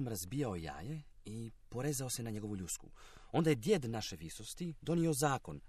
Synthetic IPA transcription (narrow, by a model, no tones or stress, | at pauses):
mɾazbiːjaoja̰ːje | ipo̞ɾe̞ːzaose̞naɲeɡoʋuʎut̪skṵ | o̞nd̪ajed̪je̞d̪naʃe̞ʋisost̪id̪o̞nio̞zaːko̞n